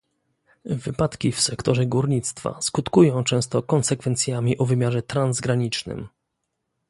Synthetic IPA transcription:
vɘpat̪kʲifsɛkt̪ɔʐɛɡuɾɲit̪st̪fa̰skut̪kujɔ̃w̃t͡ʂɛ̃w̃st̪ɔkɔnsɛkfɛnt̪sʲjamʲiʔɔvɘmʲjaʐɛt̪ɾanzɡɾaɲit͡ʂnɘ̰m

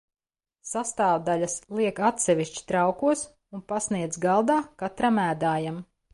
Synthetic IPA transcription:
sast̪aːwd̪alʲaslˠiɛkat̪sɛʋiʃt͡ʃi̥t̪ɾawkuɔs | unpasniɛd̪zɡalˠd̪aːkat̪ɾamæːd̪aːjam

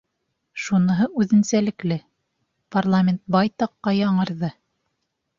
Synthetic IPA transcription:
ʃunɤ̆ɦɤʔʉðɘ̆nsælɘ̆klɘ | parlˠamʲent̪̚bɑjt̪ɑqːɑjɑɴɤ̆ɾðɤ

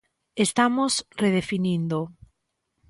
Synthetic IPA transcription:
est̪amosreðefinĩnd̪o

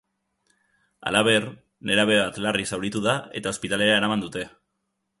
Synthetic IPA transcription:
a̰laβ̞e̞r | ne̞ɾaβeβat̪larisawɾit̪uðae̞t̪ao̞spit̪ale̞ɾae̞ɾamand̪ut̪e̞

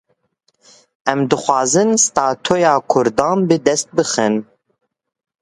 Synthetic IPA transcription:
ɛmd̪ɨxʷɑːzɨnst̪ɑːt̪ʰoːjɑːkʰʊɾd̪ɑ̃ːnbɨd̪ɛst̪̚bɨxɨn

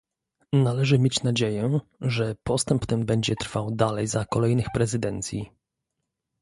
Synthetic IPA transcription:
nalɛʐɘmʲjet͡ɕnad͡ʑejɛʐɛpɔst̪ɛmpt̪ɛmbɛɲd͡ʑɛt̪ɾfawd̪alɛjzakɔlɛjnɘxpɾɛzɘd̪ɛnt̪sʲji

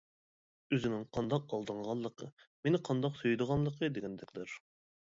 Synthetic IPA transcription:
øzɪnɪŋqʰɑnd̪ɑq̚ɑlˠd̪əɴʁɑnlˠəqʰə̰menɪqʰɑnd̪ɑqsøjd̪əʁɑnlˠəqʰəd̪eɡʲɛnd̪ɛkʲlɪɾ

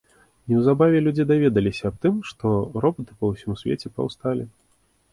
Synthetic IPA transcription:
iwzabavʲɛlʲud͡zʲid̪avʲɛd̪ɐlʲisʲɐːp̚t̪ɨmʂt̪ɔɾɔbɐt̪ɨ̥pɐwsʲimsʲvʲḛt͡sʲɛpɐ̰wst̪alʲi

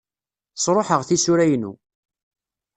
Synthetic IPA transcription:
sˤɾˤoħəʁθisʊɾæjnṵ

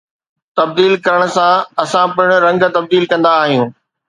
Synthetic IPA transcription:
t̪ɐb̚d̪iːlkɐɾəɽ̃ʊ̆sãɐsãpɪɽ̃ɾɐ̃ŋɡ̆t̪ɐb̚d̪iːlkɐ̃nd̪aːɦijũː

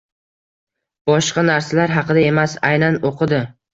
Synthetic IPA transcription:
b̥ɒʃqɑnaɾsalaɾɦɑqɨd̪ae̞masajnanoqʰɨd̪ɪ

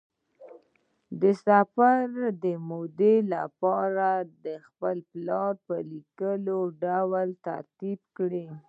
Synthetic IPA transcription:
d̪əsafaɾd̪əmod̪elapɑɾad̪əxpəlplɑɾpəlikəloɖawəlt̪a̰ɾt̪ib̚kɽe

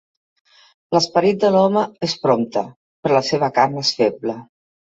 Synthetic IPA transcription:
ləspəɾit̪̚d̪əlɔməespɾɔmt̪ə | pəɾləseβ̞əkarnesfeblə

